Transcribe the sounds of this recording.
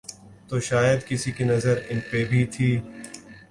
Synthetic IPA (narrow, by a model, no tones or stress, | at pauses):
t̪oːʃaːjəd̪kɪsikinɐzəɾɪnpebʱit̪ʰiː